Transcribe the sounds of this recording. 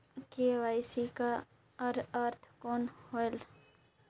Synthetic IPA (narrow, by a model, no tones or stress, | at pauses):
keʋaːɪsika | əɾəɾt̪ʰkoːnhoel